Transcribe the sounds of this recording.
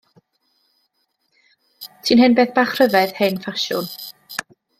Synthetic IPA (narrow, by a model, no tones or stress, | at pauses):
tʰiːnɦɪnbeːθb̥aːχr̥əvɛð̥henfaʃʊ̰n